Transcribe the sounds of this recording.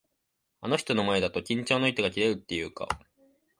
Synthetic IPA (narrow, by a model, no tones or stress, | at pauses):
ano̞çi̥t̪o̞no̞mae̞d̪at̪o̞kʲĩɲ̟t͡ɕo̞ːno̞çit̪o̞ɡakʲiɾe̞ɾɯ̟t̪ːe̞jɯ̟ːka̰